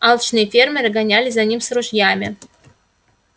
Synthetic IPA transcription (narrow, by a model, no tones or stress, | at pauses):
alˠt͡ʃʰnɨjefʲermʲeɾɨɡanʲalʲɪzanʲimsruʒjamʲɪ